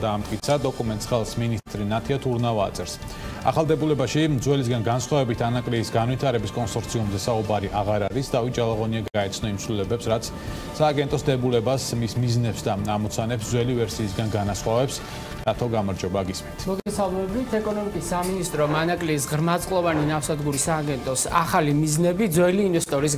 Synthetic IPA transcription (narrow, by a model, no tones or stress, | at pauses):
d̪aːmt̪ʼkʼit̪sʰad̪ɔkʼumɛnt̪sχɛlˠsminist̪ʼɾinat̪ʰiat̪ʰuɾnava̰ːt̪sʼɛɾs | a̰χalˠd̪ɛbulɛbaʃimd̪zwɛlis̬ɡanɡansχwavɛbit̪ʰanakʼliːsɡanvit̪ʰaɾɛbiskʼɔnsɔɾt̪sʰiumzɛsaubaɾiʔaʁaɾaɾisd̪avit̪̚d͡ʒalˠaʁɔniaɡaɛt̪sʰnɔimtsʰvlilɛbɛpsɾat̪sʰ | saːɡɛnt̪ʼɔsd̪ɛbulɛbasmismiznɛpsd̪aamɔt̪sʰanɛpsd̪zwɛlivɛɾsiːsɡanɡanasχwavɛps | d̪at̪ʰɔɡamaɾd͡ʒɔbaɡismɛnt̪ʰmɔɡɛsalˠmɛbit̪ʰɛkʼɔnɔmikʼisːaminist̪ʼɾɔmanakʼliːsʁɾmat̪sʼqʼlˠɔvaninafsad̪ɡuɾisaːɡɛnt̪ʼɔsa̰χalimiznɛbid̪zwɛliːnvɛst̪ʼɔɾis̬